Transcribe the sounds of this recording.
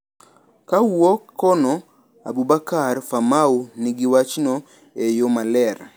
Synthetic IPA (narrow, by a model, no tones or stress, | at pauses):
kawɔkʰːɔnɔ | a̰bubakarfamaunɪɡɪwat͡ʃnɔ | ejomalɛɾ